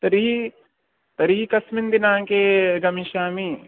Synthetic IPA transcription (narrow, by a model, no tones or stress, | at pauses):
t̪ɐɾii | t̪ɐɾiːikɐsmɪnd̪ɪnaːkeɡɐmĩʃaːmiː